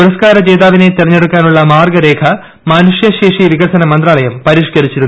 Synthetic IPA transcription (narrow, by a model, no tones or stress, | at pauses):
puɾɐskaːɾɐd͡ʑeːd̪aːʋinet̪irɐɲːe̞ɽukːaːnuɭːɐmaːrɡɐɾe̞ːkʰɐ | maːnuʂjɐɕeːʂiʋiɡɐrsɐnɐmɐnd̪raːlɐjɐmpɐɾiːʂkɐɾit͡ɕːiɾun